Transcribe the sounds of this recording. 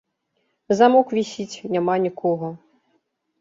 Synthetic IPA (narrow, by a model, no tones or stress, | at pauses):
zamɔkvʲisʲit͡sʲnʲamanʲikɔɣɐ